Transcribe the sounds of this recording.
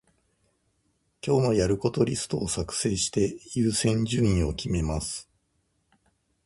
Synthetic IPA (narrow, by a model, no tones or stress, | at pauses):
kʲo̞ːno̞jaɾɯ̟ko̞t̪o̞ɾʲisɨ̥t̪o̞ːsakɯ̟̥se̞ːɕi̥t̪e̞jɨːsẽ̞ɲ̟d͡ʑɨɲĩɰ̃o̞kʲime̞masɨ̥